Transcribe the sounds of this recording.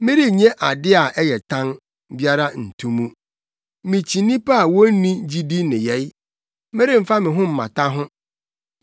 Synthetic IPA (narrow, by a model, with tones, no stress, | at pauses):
mɪ̃˦ɾi˦ɲɛ̃˦ʔa˨dɪ˦a˨ʔɛ˦jɛ˨tʰã˦n | bi˦a˦ɾa˦n̩˨tʰũ˦mũ˦ | mɪ̃˨t͡ɕʰi˨nĩ˦pʰa˦a˨wɔ˦n˦nĩ˦d͡ʑi˦di˦nɪ̃˨jɛ˨˦j | mɪ̃˦ɾi˦m̩˨fa˦mɪ̃˨ɦʊ̃˦m̩˨mã̰˨tʰa˦ɦʊ̃˦